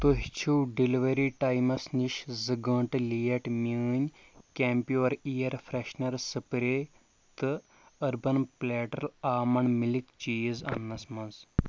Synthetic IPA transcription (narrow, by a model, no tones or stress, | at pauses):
t̪oɦt͡ʃʰuwɖiliʋəɾiʈajmɐsniʃzɨɡəɳʈlijɐʈmiɲʲkʲɛmpjuɐɾijɐɾfʰɾeɕnɐɾsɨpɾe | t̪ɨ | ɐɾbɐnplɛʈɐlaːmɐɳmilikt͡ʃizɐ̰nːɐsmɐnz